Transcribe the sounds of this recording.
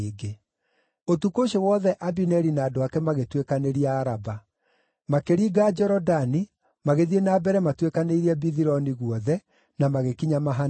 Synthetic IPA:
ɡe | otukoʃewɔðɛʔabinɛɾinaːdoakɛmaɣetwekaneɾiaːɾaba | makeɾiːɡad͡ʒɔɾɔdani | maɣeðienaːbɛɾɛmatwekaneiɾiɛbiðiɾɔniɣuɔðɛ | namaɣekiɲamaɦa

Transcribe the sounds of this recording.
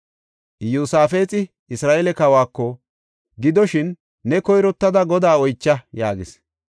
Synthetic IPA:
ʔjuːsaːfe̞ːt͡sʼɪ | ɪsɾaːʔelɛkɐwaːkːɔ | ɡɪd̪ɔʃɪnː | ɛkɔjɾɔt̪ːɐd̪ɐɡɔd̪aːɔjt͡ʃːɐjaːɡɪs

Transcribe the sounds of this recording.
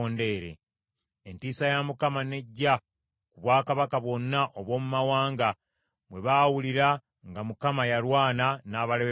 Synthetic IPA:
oːnde̞ːɾḛ | entiːsajamukamane̞ɟːa | kuβwaːkaβakaβwo̞nːaʔoβwo̞ːmumawaːŋɡa | βwe̞βaːwuliɾa | ŋɡamukamajalwaːnanaːβale

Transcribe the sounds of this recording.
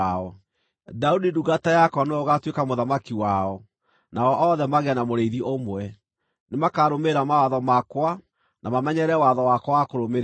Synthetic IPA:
ɔ | daudiduɣatajakɔneɔɣatwekamoðamakiwaɔ | naɔʔɔðɛmaɣɛnamoɾeiðiʔomwɛ | nemakaɾomeɾamawaðɔmakwa | nʔamamɛɲɛɾɛwaðɔwakɔwakoɾomeɾ

